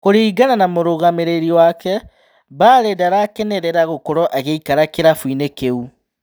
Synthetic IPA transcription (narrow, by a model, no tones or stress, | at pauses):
koɾiːɡananamoɾoɣameɾeɾiwakɛ | baːɾɛdaɾakɛnɛɾɛɾaɣokoɾɔʔaɣeikaɾakeɾafwinekeu